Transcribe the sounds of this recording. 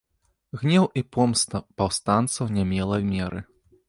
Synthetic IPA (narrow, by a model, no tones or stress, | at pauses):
ɣnʲɛwipɔmst̪ɐpawst̪ant̪sɐwnʲɛmʲɛlˠɐmʲɛɾʔɨ